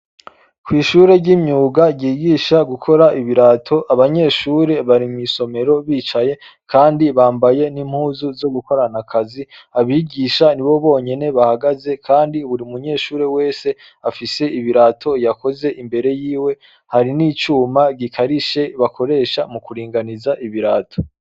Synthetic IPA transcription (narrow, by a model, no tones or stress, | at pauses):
kwiːʃuːɾe̞ɾɟimɲuːɡaɟiːɡiːʃaɡukʰo̞ɾaʔiβiɾatʰo̞ʔaβaɲe̞ʃuːɾe̞βaɾimiːso̞me̞ɾo̞βiːt͡ʃaje̞kʰaːndiβaːmbaje̞nim̥huːzuzo̞ɡuko̞ɾanakʰaziaβiːɡiːʃaniβo̞βo̞ːɲe̞ne̞βahaɡaze̞kʰaːndiβuɾiumuɲe̞ːʃuːɾe̞we̞ːse̞ | afise̞iβiɾatʰo̞jako̞ze̞ʔimbe̞ɾe̞jiːwe̞ | haɾiniːt͡ʃuːmaɡikʰaɾiʃe̞βako̞ɾe̞ːʃamukuɾiːŋɡanizaʔiβiɾaːtʰo̥